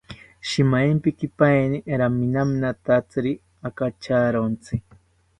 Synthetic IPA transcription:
ʃimajmpikipajniʔɾaminaminat̪at͡sɨɾi | akat͡ʃaɾont͡sɨ

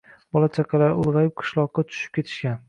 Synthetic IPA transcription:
b̥ɒlˠat͡ʃʰaqʰɑlaɾʊlˠʁɑjɪp̚qʰɨ̥ʃlˠɒqːɑt̪ʰʊ̥ʃɪ̥p̚kʲe̞t̪ʰɪ̥ʃkʲan

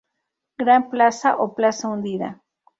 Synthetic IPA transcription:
ɡɾamplasaʔoplasaʊnd̪iða̰

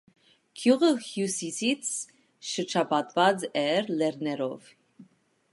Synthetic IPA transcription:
kʰjuʁəhjusisit͡sʰ | ʃəɾt͡ʃʰɑpɑt̪vɑd͡zɛɾlɛɾnɛɾɔv

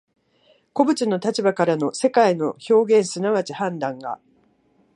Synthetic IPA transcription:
ko̞bɯ̟t͡ɕɨno̞t̪at͡ɕibakaɾano̞se̞kaino̞ço̞ːɡẽ̞ɰ̃sɨnaβat͡ɕihãnd̪ãŋɡa̰

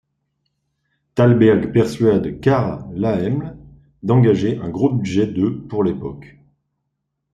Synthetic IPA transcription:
t̪albɛʁɡpɛʁsɥad̪kaʁlaɛml | d̪ɑ̃ɡaʒeʔɛ̃ɡʁobyd̪ʒɛd̪øpuʁlepɔk

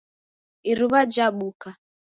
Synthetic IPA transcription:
iɾuβad͡ʒaɓuka

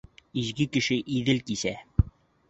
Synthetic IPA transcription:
izɡɘkɘ̆ʃɘʔiðɘlkisæ

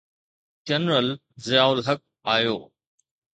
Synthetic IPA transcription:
d͡ʒɐnɾəl | zɪjaːʊlɦɐk̚ | aːjoː

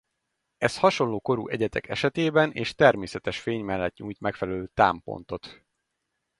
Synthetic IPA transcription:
ɛshɒʃo̞nloːko̞ɾṵʔɛɟɛt̪ɛ̰kʰɛʃɛt̪eːbɛnʔeːʃt̪ɛrmeːsɛt̪ɛʃfeːɲmɛlːɛt̪ɲuːjt̪mɛkfɛlɛløːt̪a̰ːmpo̰n̪t̪o̞t̪

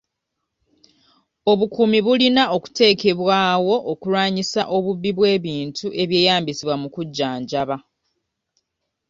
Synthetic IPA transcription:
o̞βukumiβulinao̞ku̥te̞ːke̞βwaːwo̞ʔokulwaːɲisaʔo̞βuβːiβwe̞ːβiːntuʔe̞βje̞ːjaːmbisiβwamukuɟːaːɲɟaβa

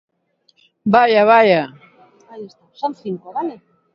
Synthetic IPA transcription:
bajaβaja | ajest̪asonθiŋkoβale

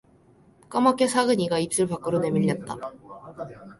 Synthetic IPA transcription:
k͈amakʰesʰaɡɯɲiɡaip̚s͈ɯɭpak͈̚ɯɾone̞miʎːʌt̚t͈a

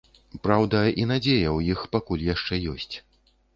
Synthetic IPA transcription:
pɾawd̪ɐin̪ad͡zʲejɐwjixpakulʲjaʂt͡ʂɛjɔsʲt͡sʲ

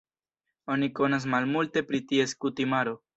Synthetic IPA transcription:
o̞niko̞nas̬malmulte̞pɾitie̞skutimaɾo̞

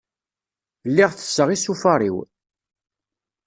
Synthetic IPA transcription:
lːiʁθə̥sːəʁisufɑɾˤḭw

